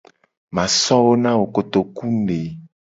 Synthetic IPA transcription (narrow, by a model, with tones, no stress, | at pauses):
mã˨sɔ̃˦wo˦nã˦wo˨ko˨t̪o˨ku˦ne˨